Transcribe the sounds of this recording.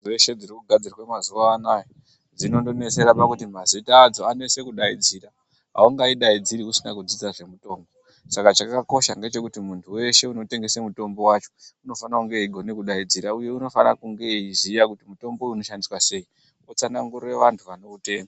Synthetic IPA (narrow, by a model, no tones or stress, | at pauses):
eʃe̞d͡zirikuɡʱad͡zirwemazuʋaːnajo | d͡zino̞ndonese̞ɾapakutimazitaːd͡zo̞ane̞se̞kuɗaid͡zira | ɦa̰uŋɡaiɗaid͡ziɾiusina̰kud͡zid͡zaʐe̞muto̞ːmbo̞ | sakat͡ʃakako̞ʃaŋɡe̞t͡ʃe̞kutimuntʰuwe̞ʃe̞uno̞te̞ŋɡe̞semuto̞mbo̞wat͡ʃo̥uno̞fanakuŋɡe̞iɡʱo̞ne̞kuɗaid͡ziɾauje̞uno̞fa̰na̰kuŋɡe̞izijakutimuto̞mbo̞uno̞ʃandiswase̞i | ot͡sanaŋɡure̞ʋantʰuʋano̞ute̞ːna